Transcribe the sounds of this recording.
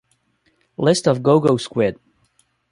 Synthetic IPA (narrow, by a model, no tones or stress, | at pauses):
lɪstʌvɡoʊɡoʊskwɪd̥̚